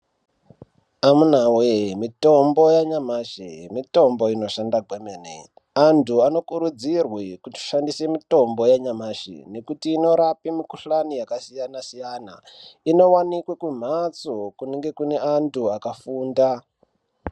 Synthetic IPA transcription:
amunawemito̞mbo̞jaɲamaʃḭmito̞mbo̞ino̞ʃandaɡʱwemeːnḛ | antuano̞kuɾud͡zirwikuti̥ʃandise̞mito̞mbo̞jaɲamaːʃḭne̞kutiːno̞ɾapimikuɬanijakasijanasijaːna | ino̞wanikwekwum̤at͡sokuniŋɡe̞kune̞antʰuakafuːnda

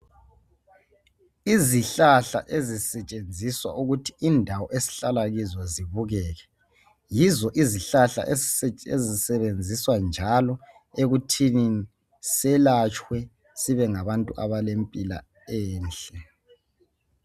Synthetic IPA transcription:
iziɬaɬa̰ʔezisɛt͡ʃʼend͡zʱiswa̰ʔuɣutʰi̥ʔindʱawɔʔesi̥ɬalaɣizɔziβuɣɛːɣɛ | jizɔʔiziɬaɬa̰ʔessɛezisɛβend͡zʱiswand͡ʒʱalɔ | eɣutʰini | sɛlat͡ʃʼwɛ | siβɛŋaβantʼuʔa̰βalempʼila̰ | ɛːnt͡ɬʼɛ

